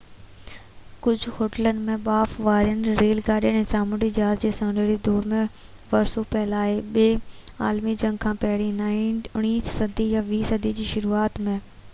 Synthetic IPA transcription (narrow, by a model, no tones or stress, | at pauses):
kʊd͡ʑʱʊhoːʈələnɪ̆mẽɓaːfʋaːɾijənɪ̆ɾeːlɡaːɗijəɽ̃ẽːsaːmʊɾid͡ʑaːzd͡ʑeːsɐ̃ːneɾid̪oːɾmẽ | ʋɐɾsopɛɦɪlaːɦeɓeːa̰ːlmid͡ʑɐ̃ŋɡkʰãːpɐɦɪɽinaːinʊɽ̃iːssɐd̪ʱijaʋiːsɐd̪ʱid͡ʑiːʃʊɾuːaːt̪mẽː